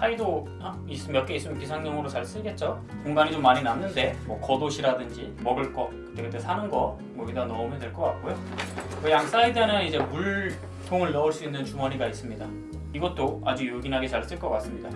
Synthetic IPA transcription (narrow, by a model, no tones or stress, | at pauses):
saido | a | is͈ɯmjʌk͈ʰeis͈ɯmk͈ʰisʰaŋɲʌŋɯɾot͡ɕaɭs͈ɯɭɡe̞t̚t͡ɕ͈o | kuŋɡanit͡ɕomːaɲinanːɯnde̞mwʌkʌdoɕʰiɾadɯnd͡ʑimʌɡɯɭk͈ʌkɯ̥t͈e̞kɯt͈e̞sʰanɯnɡʌ | mʌɡidanʌumjʌndwe̞ɭk͈ʌk͈ak̚k͈ojo | kʌjaŋs͈aidɯnɯnid͡ʑe̞muɭ | tʰoŋɯɭːʌuɭs͈uinːɯnt͡ɕumʌɲiɡais͈ɯmɲida | iɡʌt͈̚oad͡ʑujoɡinɦaɡe̞t͡ɕaɭs͈ɯɭk͈ʌk͈as͈ɯmɲida